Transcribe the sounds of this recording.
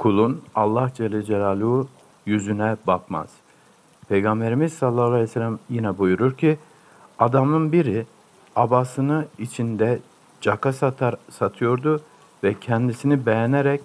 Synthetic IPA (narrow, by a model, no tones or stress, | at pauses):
kʰulˠunalˠːahd͡ʒɛlʲːɛd͡ʒɛlʲaːlʲˠuː | jyzynɛbakma̰z̥ | pʰejɡambe̞ɾimizsalˠːaːlˠaɛsɛlʲæmjinɛbujuɾuɾcʰi | ad̪amɯnbiɾi | abasɯnɯit͡ʃʰind̪ɛ | d͡ʒakassat̪ʰɯjo̞ɾd̪u | vɛcʰɛnd̪isinibejɛneɾɛc